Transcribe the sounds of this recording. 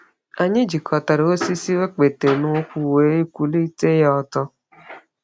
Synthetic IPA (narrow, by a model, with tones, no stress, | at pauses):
a˨ɲɪ˦d͡ʒi˨kɔ˨ta˨ɾe˨o˦si˦si˦we˦k͡pe˨te˨no˦kʷu˦we˨˦i˦kʷu˦li˦te˦jɔ˦ɔ˨tɔ˦